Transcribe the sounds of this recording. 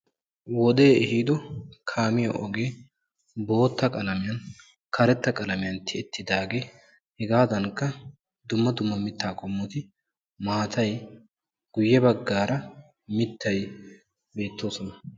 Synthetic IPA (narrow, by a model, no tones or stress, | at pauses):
wɔd̪e̞ːɛhiːd̪ɔkʰaːmɪjɐʔɔɡe̞ː | bo̞ːt̪ːɐkʼɐlɐmɪjɐn | kʰɐɾɛt̪ːɐkʼɐlɐmɪjɐnt̪ʰːɪɛt̪ːɪd̪aːɡe | hɛɡaːd̪ɐŋkːɐ | d̪ʊmːɐd̪ʊmːɐmɪt̪ːaːkʼɔmːʊt̪ɪ | maːt̪ʰɐj | ɡ̥ʊjːɛbɐɡːaːɾɐ | mɪt̪ːɐj | be̞ːt̪ːo̞ːsɔnɐ